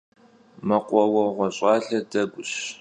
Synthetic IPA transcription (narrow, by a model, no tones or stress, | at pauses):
mɐqʷʼɔwɐʁʷɔɕʼɑːɬɐdɐɡʷʊɕ